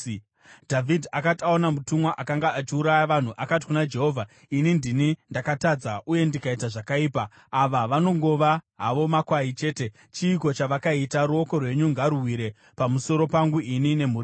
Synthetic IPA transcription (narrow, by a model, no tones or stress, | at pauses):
dʱavʱidʱakataonamutumwaʔakaŋɡaʔat͡ʃiuɾajaʋan̤uʔakat̬i̥kunad͡ʒe̞ɦo̞vʱa | inindinindakatad͡zaʔuje̞ndikaitaʐakaiːpaː | ʋaʋano̞ŋɡo̞ʋaɦaʋo̞makwait͡ʃe̞ːte̞ | t͡ʃiːko̞t͡ʃaʋakaitaɾuoko̞rwe̞ɲuŋɡaɾuɦwiɾe̞ | pamuso̞ɾo̞paŋɡuʔinine̞m̤uri